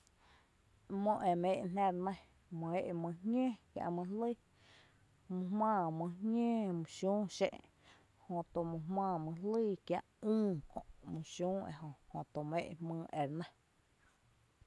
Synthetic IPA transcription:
mõ˧ʔe˨mẽː˧˦ʔnã˧ɾnə̃˦ | mõ˧e˦ʔmɨ̃˧hɲʲẽ˦kja̰˧ʔmɨ̃˧li˦˨ | mũ˧hmãː˧˨mũ˧hŋɲʲẽː˦mũ˧˨ʃũː˦ʃḛ̃˧ʔ | hõ˧t̪o˧˨mũ˧ɦmãː˧˨mɨ̃˧li˦kja˧ʔũː˦kõ̰˧˨ʔmũ˧ʃũː˦ḛ˧˨ɦõ˧hõ˧˨t̪o˧˨mḛ̃˧˨ʔmɨ̃ː˧ʔe˨ɾnə̃˦

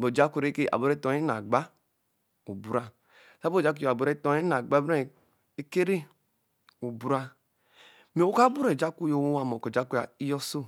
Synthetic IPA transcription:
bo˨d͡ʒa˦kʷu˨ɾe˦ke˦˨a̰˨bo˨ɾe˦to˨˦e˦n˨a̰˨ɡ͡ba˦ | u˨bu˨ɾa˦ | sa˦bo˦˨d͡ʒa˦k̬u˦jo˨a˨bo˨ɾe˦to˨˦e˦na˨ɡ͡ba˦be˦˨ | e˦ke˦ɾe˦ | u˨bu˨ɾa˦ | me˨˦o˦ka˦bu˦ɾe˨d͡ʒa˦ku˦jo˨wo˦wa˨mo˨ko˨d͡ʒa˦ku˦ja̰˨i˦jɔ˦so˦

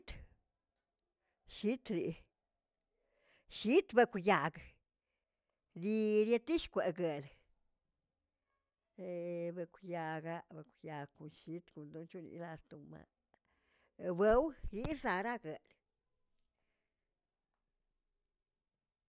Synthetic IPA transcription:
t̪ | ʃi˦t̪ɾi˨ | ʃi˦t̪be˧kʷja˨ɡ | ɾi˧ɾje˧t̪i˦ʃkʷe˨ɡe˨l | e˧be˧kʷja˧ɡa˧be˨kʷja˨ɡku˨nʃi˧˦t̪ku˨nd̪u˧˦nt͡ʃu˦nḭ˧˦la˧st̪u˨ma̰˧ | be˨˦wɾi˧˦za˧ɾa˦ɡe˨l

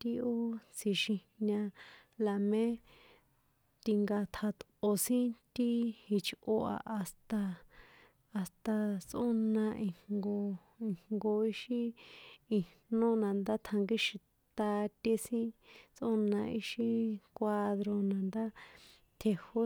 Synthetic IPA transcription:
t̪i˧o˦t͡sʰi˧˨ʃĩ˧ | ɲã˧la˨mẽ˦ | t̪i˧ŋɡa˧t̪ʰa˧t̪o˧sĩ˦t̪i˦hi˧t͡ʃʔo˧a̰˧ʔa˧st̪a˧ | a˧st̪a˧t͡sʔo˦nã˧ʔĩ˧ŋɡo˧ | i˧ŋɡo˧i˦ʃi˦i˨nõ˦nã˨nd̪a˦t̪ʰa˧ŋɡi˦ʃi˧ | tt̪a˧t̪e˧sĩ˦t͡sʔo˦nã˧i˧ʃĩ˧kʷa˧ðɾo˧nã˨nd̪a˦ | t̪ʰe˧ho˦

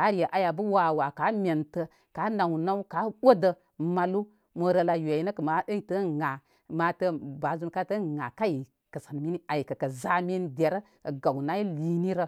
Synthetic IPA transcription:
a˨˦ɾje˨ʔa˦ja˨bə˦wa˨wa˨ka˨˦mʲe˨ntə˨ | ka˨˦na˨wna˦ka˨˦wo˦də˨ | ma˨lu˦ | mə˨ɾə˧la˧je˨ji˦nə˦kə˨ma˨˦ə˦tə˦ŋa˨ | ma˨˦tə˦ba˨˦zu˦nka˦tə˦ŋa˨ka˦ji˨ | kə˨sa˨n˨mi˦ni˦a˨ji˨kə˨kə˨za˦mi˦nde˨ɾə˦ | kə˨ɡa˨wna˦ji˦li˦ni˦ɾə˦

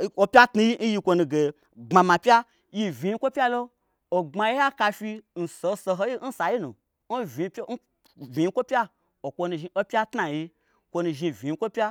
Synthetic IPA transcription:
o˧pʲa˦tnu˧ji˦n̩˦ji˧kʷo˧nu˧ɡe˨ | ɡ͡ba˧mã˨pʲja˦ | ji˧˨vʲi˨˧ji˦kʷo˦pʲa˦lo˦ | o˨ŋ͡ma˧ji˦ja˦ka˧fi˧n̩˨so˧˦so˧ɦo˦ji˦n̩˦sa˨ji˦nṵ˨ | n̩˦vʲi˨˧pʲn̩˦ | vʲĩ˨ji˦kʷo˦pʲa˦ | o˨kʷo˧nu˧ʒi˧o˦pʲa˦tna˨ji˧ | kʷo˧nu˧ʒi˧˨vʲi˨ji˧˦kʷo˦pʲa˦

